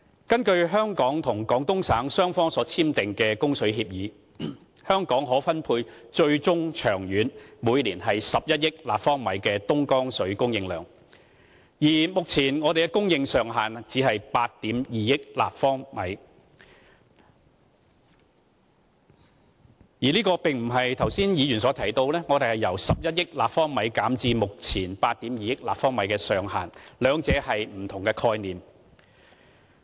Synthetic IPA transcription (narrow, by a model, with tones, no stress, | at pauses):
kɐ˥nkɵ˧ɥɦœː˥ŋkɔː˨˥ŋt̪ʰʊ˨˩ŋkɔː˨˥ŋt̪ʊ˥ŋsaː˨˥ŋsœː˥ŋfɔː˥ŋsɔː˨˧˥t͡sʰiː˥mt̪ɪ˨ŋkɛː˧kʊ˥ŋsɵ˨˥ɥɦiː˧p̚jiː˨˥ | hœː˥ŋkɔː˨˥ŋɦɔː˨˥fɐ˥npʰuː˧jt͡ʃɵ˧ɥt͡sʊ˥ŋt͡ʃʰœː˨˩ŋjyː˨˥nmuː˨˧jliː˨˩nɦɐ˨jsɐ˨p̚jɐ˥t̚jɪ˥k̚laː˨pfɔː˥ŋmɐ˨˥jkɛː˧t̪ʊ˥ŋkɔː˥ŋsɵ˨˥ɥkʊ˥ŋjɪ˧ŋlœ̰ː˨˩ŋ | jiː˨˩mʊ˨k̚t͡sʰiː˨˩nŋɔː˨˧t̪e˨kɛ˧kʊ˥ŋjɪ˧ŋsœː˨ŋɦaː˨nt͡siː˨˥hɐ˨jpaː˧t̚t̪iː˨˥mjiː˨jɪ˥k̚la̰ː˨pfɔː˥ŋmɐ˨˥j | jiː˨˩liː˥kɔː˧pɪ˨ŋm̩˨˩ɦɐ˨jt̪ʰɐ˨˩wsiː˥njiː˨˧jyː˨˩nsɔː˨˥t̪ʰɐ˨˩jt̪o˧wlɛː˥ŋɔ˨˧t̪e˨hɐ˨jɐ˨˩wsɐ˨p̚jɐ˥t̚jɪ˥k̚laː˨pfɔː˥ŋmɐ˨˥jkaː˨˥mt͡siː˧mʊ˨k̚t͡sʰiː˨˩npaː˧t̚t̪iː˨˥mjiː˨jɪ˥k̚laː˨p̚fɔː˥ŋmɐ˨˥jkɛː˧sœː˨ŋɦa̰ː˨˩nlœː˨˧ŋt͡sɛː˨˧˥hɐ˨jm̩˨˩t̪ʰʊ˨˩ŋkɛː˧kʰɔː˧jniː˨˩m